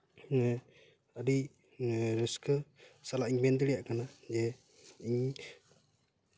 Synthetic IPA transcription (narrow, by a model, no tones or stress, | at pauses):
əɾi | ɾəskəsalaʔiɲbɛnd̪iɽɛjaʔkanad͡ʒɛ | iɲ